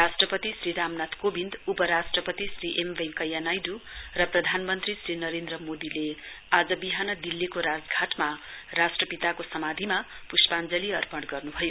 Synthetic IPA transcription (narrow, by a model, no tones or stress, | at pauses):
rasʈrʌpʌt̪isriɾamnat̪kobind̪upʌɾasʈrʌpʌt̪isriʔembeŋkʌjːanajd̪urʌprʌd̪ʱanmʌnt̪risɾinʌɾend̪rʌmod̪ile | ad͡zʌbiɦanʌd̪ilːikoɾad͡zɡʱaʈmarasʈrʌpit̪akosʌmad̪ʱima | puspand͡zʌliʌrpʌɽɡʌrnubʱʌjo